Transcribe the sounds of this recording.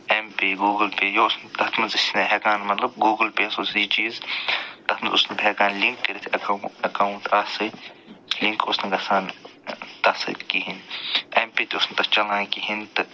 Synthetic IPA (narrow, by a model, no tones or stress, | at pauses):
empeːɡuːɡəlpeːjoʊsnt̪ɐt̪ʰmɐnzisnɐɦekaːnmɐt̪lɐb̚ɡuːɡlpeːsosiːt͡ʃiːzt̪ɐt̪mɐnʊ̰snɐpɦeːkaːnliŋkːɐɾit̪ʰɐkːɐkaːwũnt̪asɨ | liŋkʊsnɐɡɐsaːnt̪ɐsɨ̰kiɦinempeːt̪iʊsnt̪ɐst͡ʃɐlãːkiɦint̪